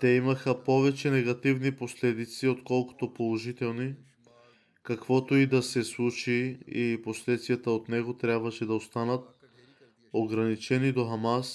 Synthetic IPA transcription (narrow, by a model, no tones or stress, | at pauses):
t̪ɛimɐxəpɔvɛt͡ʃɛnɛɡɐt̪ivniposlɛd̪it̪siot̪kɔlˠko̥t̪opolˠoʒit̪ɛlˠni | kɐkvɔt̪oid̪ɐsɛslˠut͡ʃiiposlɛt̪svijɐt̪əot̪nɛɡot̪ɾʲjabvɐʃɛd̪ɐost̪anət̪̚ | oɡɾɐnit͡ʃɛnid̪oxamas